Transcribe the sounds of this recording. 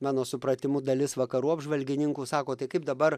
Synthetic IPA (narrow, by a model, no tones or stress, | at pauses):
mɑːnoːsʊpɾɐt̪ʲɪmuːd̪ɐlʲɪsʋɐkɐɾuːɐbʒʋɐlʲɡʲɪnʲɪŋkuːsɑːkoːt̪ɐɪkɐɪp̚d̪ɐbɐr